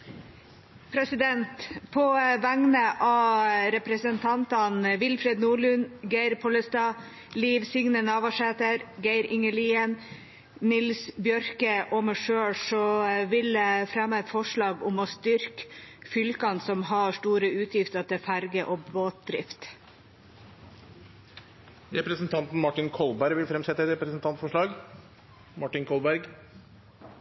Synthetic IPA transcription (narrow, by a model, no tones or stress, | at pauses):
pʰɾɛsɪd̪ɛnt̪pʰɔʋæŋnəʔɑɾɛpɾəsənt̪ʰɑnt̪ɑnʋɪlfɾɛd̪nuːɭʉnɡæɪɾpʰɔləst̪ɑː | liːʋsɪŋnənɑːʋɑʂeːt̪əɾɡæɪɾɪŋəɭiːən | nɪlsbjœɾkəʔɔmɛʂøːɽʂɔʋɪləfɾɛmːəɛt̪fɔʂɭɑːɡʊmɔst̪ʏɾkfʏlkɑnsɔmɦɑːʂʈuːɾəʉːt̪ʰjɪft̪əɾt̪ɪfæɾɡəʔɔboːt̪̚d̪ɾɪ̰ft̪ | ɾɛpɾəsnt̪ʰɑnt̪n̩mɑʈɪnkʰɔlbæɾʋɪlfɾɛmsɛt̪əɛt̪ɾɛpɾəsnt̪ʰɑnt̪fɔʂɭɑːɡ | mɑʈɪnkʰɔlbæɾɡ